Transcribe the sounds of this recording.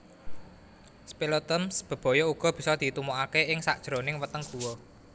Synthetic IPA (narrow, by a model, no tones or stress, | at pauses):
spilot̪əmsb̥ə̤b̥ɔ̤jɔuɡ̥ɔ̤b̥i̤sɔd̪̥i̤t̪umoakeɪŋsa̰ʔd̥ʒ̥ɾonɪŋwət̪əŋɡ̥ṳwɔ